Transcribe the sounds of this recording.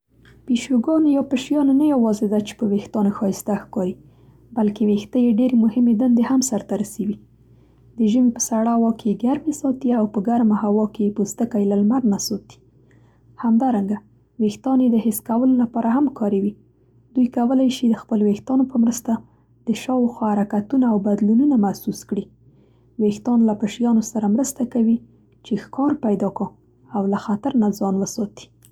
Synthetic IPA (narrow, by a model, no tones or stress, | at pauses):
piʃuɡɑnjɑpəʃjɑnanajawɑzed̪at͡ʃe̥pəwext̪ɑnoxɑjɪst̪axkɑɾi | balkewext̪əjeɖeɾemʊhɪmed̪and̪ehamsaɾt̪aɾasawi | d̪əʒəmepə̥saɽawɑkʰeeɡaɾmesɑt̪iawpəɡaɾmahawɑkejepust̪əkajlalmaɾnasɑt̪i̥ | hamd̪ɑɾaŋɡa | wext̪ɑned̪əɦɪskawəlolapɑɾaɦamkɑɾewi | d̪ujkawəlajʃid̪əxpəlowext̪ɑnopəmɾəst̪a | d̪̥əʃɑwxwɑhaɾakat̪unaawbad̪lununamahsuskɽi | wext̪ɑnlapəʃjɑnosaɾamɾəst̪akawi | t͡ʃexkɑɾpajd̪ɑkɑ | awlaxat̪aɾnazɑnwəsɑt̪i̥